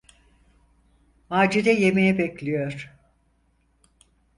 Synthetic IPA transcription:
maːd͡ʒiɾɛjemejɛbɛclʲijoɾ̥

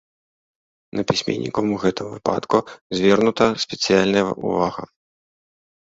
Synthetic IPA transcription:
nʔɐpʲisʲmʲɛ̰nʲːḭkɐmuɣɛt̪ɨmvɨpa̰t̪kuzʲvʲɛrnut̪ɐsʲpʲɛt̪sɨjalʲnɐjɐʔṵvaɣɐ̰

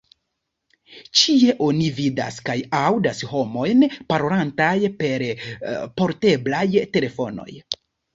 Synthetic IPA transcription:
t͡ʃie̞ʔo̞nivida̰skajawdasɦo̞mo̞jnpaɾo̞lantajpe̞ɾpo̞ɾte̞blajte̞le̞fo̞no̞̰j

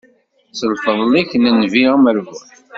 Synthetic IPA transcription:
səlfəðˤliçnənviəməɾvu

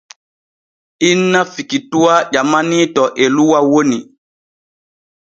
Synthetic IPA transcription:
inːafikituaʄamanitɔʔeluwawoni

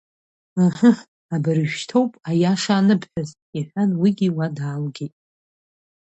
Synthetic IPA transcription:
aha | abɨɾɨʒᶣtʰowpʼajaʂaːnɨpʰħᶣaz | iħʷᶣanwiɡʲiwadaːlɡʲetʼ

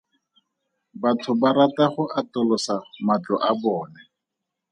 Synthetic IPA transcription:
batʰʊbaɾataχʊʔatɔlɔsamat͡ɬɔʔabɔːnɛ

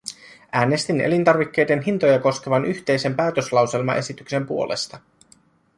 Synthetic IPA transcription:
ʔæːne̞st̪inḛlint̪ɑrʋikːe̞jde̞nɦint̪o̞jɑko̞sk̟e̞ʋɑnʔyçt̪e̞jse̞mpæːt̪øslɑwse̞lmɑ̰ʔe̞̰sit̪ykse̞mpuo̞lʔe̞̰st̪ɑ

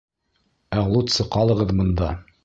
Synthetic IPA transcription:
æʁlˠut̪sɤqɑlˠɤ̆ʁɤðbɤ̆nd̪ɑ

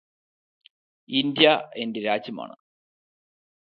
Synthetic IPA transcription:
ind̪jɐe̞ndeɾaːd͡ʑjɐma̰ːɳɨ̰

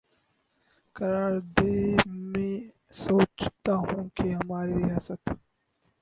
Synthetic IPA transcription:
kɐɾaːɾd̪emẽ | soːt͡ʃt̪aɦũːkeɦɐmaːɾiɾijaːsət̪

